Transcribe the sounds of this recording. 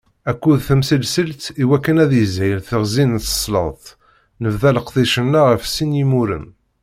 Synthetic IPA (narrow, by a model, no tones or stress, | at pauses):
ækːuðθəmsəlsəlt̪iwækːənæðəzæjəlθəʁzint̪ə̥sˤːlə̰θˤ | nəvðæləqðˤiʃənːæʁəfsinjimuɾə̰m